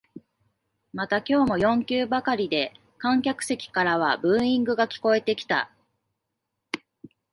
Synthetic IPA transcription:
mat̪akʲo̞ːmo̞jõ̞ŋkʲɨːbakaɾʲid̪e̞ | kãŋkʲakɯ̟̥se̞kʲi̥kaɾaβ̞abɯ̟̃ɰ̃ĩŋɡɯ̟ɡakʲi̥ko̞e̞t̪e̞kʲi̥t̪a̰

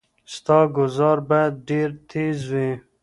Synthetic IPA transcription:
st̪ɑːɡʊzɑːɾbajd̪̚ɖeːɾt̪ʰeːzwẽː

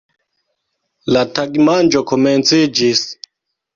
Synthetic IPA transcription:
lataɡmand͡ʒokoment͡sid͡ʒis

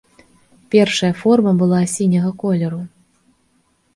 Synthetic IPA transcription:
pʲɛrʂɐjɐfɔrmɐbɨlˠasʲinʲɐɣɐkɔlʲɛɾu

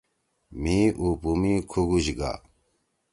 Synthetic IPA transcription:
mĩːʔuːpumikʰuɡuʑɡa̰ː

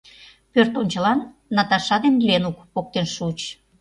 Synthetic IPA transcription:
pørt̪onʲt͡ɕəlɑnː | ɑt̪ɑʃɑd̪enlenukpok̚t̪enʃut͡ɕ

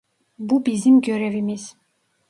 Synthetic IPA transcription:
bubizimɡjœɾɛvimis

